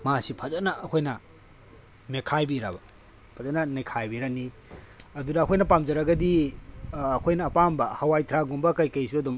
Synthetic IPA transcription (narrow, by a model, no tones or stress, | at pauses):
masipʰɐzanɐɐkʰojnɐ | nekʰajbiɾa̰bɐ | pʰɐzɐnɐnekʰajbiɾani | ɐdudɐːkʰojnɐpamzɐɾaɡɐdiː | kʰojnɐːpambɐhɐwajtʰɾaɡumbɐkɐjkɐjsuɐdum